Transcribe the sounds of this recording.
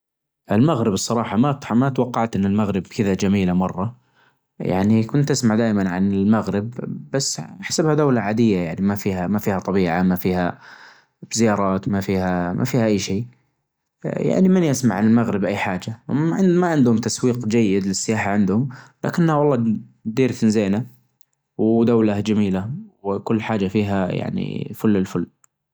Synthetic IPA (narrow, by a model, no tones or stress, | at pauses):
ʔɪlmaɣɾɪbsˤːɑɾˤɑːħɑmamat̪wɑqːɑʕt̪ʔɪnːɪlmaɣɾɪb̚kɪðad͡ʒamiːlamɑrˤːɑ | ja̰ʕnikʊnt̪ʔɪsmaʕd̪aːʔɪmanʕa̰nɪlmaɣɾɪbːasːħḁsabhad̪aːlaʕaːd̪ɪjːajaʕnimafiːhamafiːhat̪ˤɑbiːʕamafiːha | bzɪjɑːɾˤɑːt̪mafiːhamʔa̰fiːhaʔajːʃeː | ja̰ʕnimɪnjasmaʕanɪlmaɣɾɪbʔajːħaːd͡ʒaɪmaʕɪnd̪hʊmt̪aswiːqd͡ʒajːɪd̪lɪsːɪjaːħaʕɪnd̪hʊmla̰kɪnːhawɑlˤːɑːd̪iːɾθɪnzeːna | wd̪awlad͡ʒamiːlawkʊlːħaːd͡ʒafiːɦaja̰ʕnḭfʊlːɪlfʊlː